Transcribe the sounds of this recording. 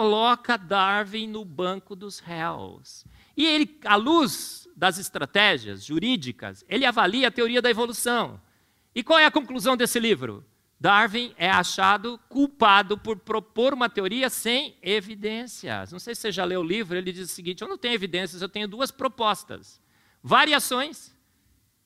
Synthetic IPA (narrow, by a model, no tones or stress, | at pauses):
kolɔkɐd̪aɾvĩj̃nʊbɐ̃kʊd̪ʊzhɛls | ɪelɪaluzd̪ɐzɪst̪ɾat̪ɛʒiɐ̰zʒuɾid͡ʒikɐ̰selɪavaliɐːt̪eoɾiɐd̪ɐevolusɐ̃w̃ | ɪkwawɛɐkõkluzɐ̃w̃d̪esɪlivɾʊ̰ | d̪aɾvĩj̃ɛaʃad̪ʊkuwpad̪ʊpʊɾpɾopoɾũmɐt̪eoɾiɐsẽj̃evid̪ẽsiɐ̰nɐ̃w̃sejsɪ̥seʒaleʊlivɾʊelɪd͡ʒizʊsiɡĩnt͡ʃɪewnɐ̃w̃t̪ẽɲʊevid̪ẽsjɐzewt̪ẽɲʊd̪uɐspɾopɔst̪ɐ̰s | vaɾiasõj̃s